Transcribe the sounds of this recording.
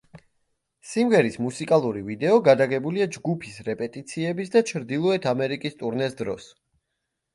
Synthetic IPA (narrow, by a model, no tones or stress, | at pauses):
simɡɛɾismusikʼalˠuɾivid̪ɛɔɡad̪aɡɛbuliad͡ʒɡupʰisɾɛpʼɛt̪ʼit̪sʰiɛbisd̪at͡ʃʰɾd̪ilˠɔɛt̪ʰamɛɾikʼist̪ʼuɾnɛsd̪ɾɔ̰s